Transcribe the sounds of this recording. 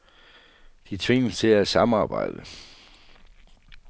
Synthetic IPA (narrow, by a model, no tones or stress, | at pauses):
d̥it͡sʰʋe̝ŋst͡sʰe̝læsɑ̈mɑ̈ːb̥ɑ̈ɪ̰d̥ə